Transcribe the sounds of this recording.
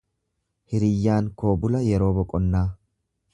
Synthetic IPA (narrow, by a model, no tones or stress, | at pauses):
hɪɾɪjːaːnko̞ːbʊlɐjɛɾo̞ːbɔkʼɔnːaː